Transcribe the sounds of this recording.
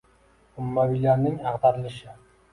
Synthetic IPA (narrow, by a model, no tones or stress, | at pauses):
ʊmːabilaɾnɪŋɑqd̪ɑɾɪlˠɪʃɪ